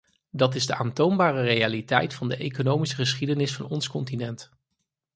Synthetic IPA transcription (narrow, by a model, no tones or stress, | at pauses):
dɑtɪzdəʔaːntownbaːrərejalitɛ̰jtfɑndəʔejkonowmisəχəsχidənɪsfɑnɔnskɔntinɛnt